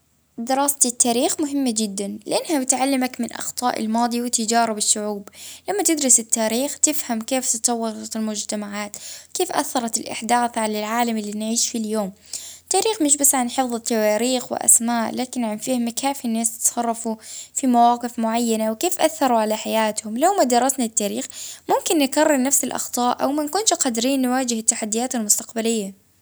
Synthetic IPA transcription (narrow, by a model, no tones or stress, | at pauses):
d̪ɪɾɑːst̪ɪt̪ːaːɾiːxmʊɦɪmːad͡ʒɪd̪ːanlɪʔanːhabɪt̪ʕalːɪmakmɪnʔɑ̰xt̪ˤɑ̰ːʔɪ̰lmɑːd̪ˤiwɪt̪ɪd͡ʒaːɾˤɪbɪʃːʊʕuːblamːat̪ɪd̪ɾɪsɪt̪ːaːɾiːxt̪ɪfhamkeːft̪ɪt̪ˤɑwːɑɾˤɑt̪ɪlmʊd͡ʒt̪amaʕaːt̪wkeːfʔa̰θːɑɾˤɑt̪ɪlʔɪ̰ħd̪aːθʕalalʕaːlamɪlːiːnʕiːʃfiljoːm | t̪ːaːɾiːxmɪʃ̬basːʕanħɪfðˤɨt̪ːawaːɾiːxwɪ̰ʔa̰smaːʔlaːkɪnʕanfɪhmakʰaːfinːaːst̪ɪ̥t̪sɑrˤːɑfufimawaːqɪfmʊʕajːanawkeːfʔaθːɑɾˤuʕalaħajaːt̪hʊmlawmad̪ɑɾˤːɑsnat̪ːaːɾiːxmʊmkɪnːɪkɑrːɪɾnafsɪlʔɑ̰xt̪ˤɑːʔʔa̰wmankʊnqɑd̪ɾiːnːwaːd͡ʒɪhɪt̪ːaħad̪ːɪjaːt̪almʊst̪ḁqbalɪjːa